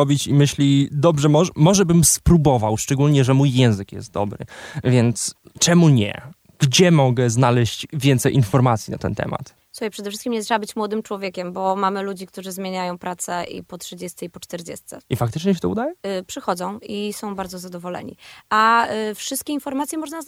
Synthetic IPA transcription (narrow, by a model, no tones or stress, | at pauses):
ɔbʲit͡ɕimɘɕlʲid̪ɔbʐɛmɔmɔʐɛbɘmspɾubɔvawʂt͡ʂɛɡulɲɛʐɛmujːɛ̃w̃zɘkjɛ̰st̪̚d̪ɔ̰bɾɘ̰vʲjɛnt̪st͡ʂɛmuɲɛ̰ | ɡ̥d͡ʑɛmɔɡɛznalɛɕt͡ɕvʲjɛnt̪sɛjʔinfɔɾmat̪sʲjina̰t̪ɛnt̪ɛ̰ma̰t̪ | suxajpʂɛd̪ɛfʂɘst̪kʲimɲɛt̪ʂɛbabɘt͡ɕmwɔd̪ɘmt͡ʂwɔvʲjekʲɛmbɔmamɘlud͡ʑik̚t̪uʐɘzmʲjeɲajɔ̃w̃pɾat̪sɛʔḭpɔtʂɘd͡ʑɛst̪sɛipɔt͡ʂt̪ɛɾd͡ʑɛ̰st̪sɛifak̚t̪ɘt͡ʂɲɛɕ̬ɛt̪ɔṵd̪ajɛpʂɘxɔd̪zɔ̃w̃isɔ̃w̃baɾd̪zɔzad̪ɔvɔlɛ̰ɲḭʔafʂɨst̪̚kʲɛinfɔɾmat̪ʲjɛmɔʐna